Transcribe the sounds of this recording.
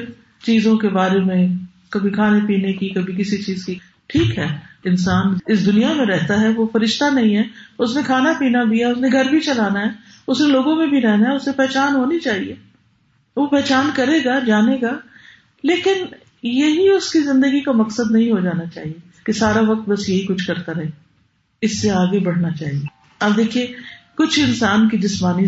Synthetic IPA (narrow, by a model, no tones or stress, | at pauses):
ɾ | t͡ʃiːzõkebaːɾemẽ | kɐbʱikʰaːnepiːnekikɐbʱik̬ɪsit͡ʃiːzki | ʈʰiːkɦɛːɪnsaːnɪs̬d̪ʊnijamẽɾɛɦt̪aɦɛʋofɐɾɪʃt̪anɐɦĩɦɛːʊsnẽkʰaːnapiːnabʱiaʊsnẽɡʱɐɾbʱit͡ʃɐlaːnaɦɛ | ʊsnẽloːɡõmẽbʱiɾɛɦnaɦɛʊsmẽpɛːt͡ʃaːnɦoːnit͡ʃaːɦieː | ʋopɛːt͡ʃaːnkɐɾeːɡaːd͡ʒaːneːɡaː | leːkɪn | jɐɦiʊskizɪ̃nd̪əɡikamɐksəd̪nɐɦĩɦod͡ʒaːnat͡ʃa̰ːɦie | kesaːɾaʋɐk̚t̪̚bɐsjɐɦikʊt͡ʃʰkɐɾt̪aɾɐɦe | ɪsːeaːɡebɐɽ̤nat͡ʃaːɦie | ɐb̚d̪eːkʰiekʊt͡ʃʰɪnsaːnk̬id͡ʒɪsmaːni